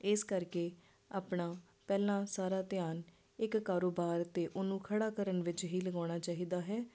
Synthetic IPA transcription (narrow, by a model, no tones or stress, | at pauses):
ɪskəɾkeː | a̰ːpɳaː | pɛːlãːsaːɾaːt̪ɪjaːn | ɪkːaːɾoːbaːɾt̪eːʔʊnũːkʰəɽaːkəɾənʋɪt͡ʃɦiːləɡaːɽ̃aːt͡ʃaːɦiːd̪aːɦɛː